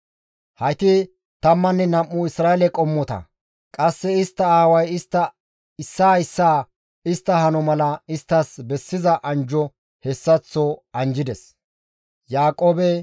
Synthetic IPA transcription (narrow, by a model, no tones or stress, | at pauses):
hɐjt̪ɪ | t̪ɐmːɐnːɛnɐmːʊɪsɾaːɛlɛkʼɔmːɔt̪ɐ̰ | kʼɐsːɛɪst̪ːɐaːwɐjɪst̪ːɐ | ɪsːaːɪsːaː | ɪst̪ːɐɦɐnɔmɐlɐɪst̪ːɐsbɛsːɪzɐʔɐnd͡ʒɔ | hɛsːɐt͡sːɔɐnd͡ʒɪd̪ɛs | jaːkʼoːbɛ